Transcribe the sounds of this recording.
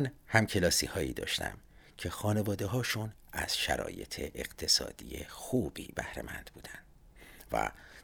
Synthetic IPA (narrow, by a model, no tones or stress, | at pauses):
nhæmcʰe̞lɒːsḭhɒːḭːd̪ɒːʃt̪ʰæ̰mcʰe̞xɒːne̞vɒːd̪eɦɒːʃun | ʔæz̥ʃæɾɒ̰ːje̞t̪ʰe̞ʔeɣ̥t̪ʰe̞sɒ̰ːd̪̥ijexuːb̥iːb̥æhɾḛmænd̪buːd̪ænd̪̥ | væ̰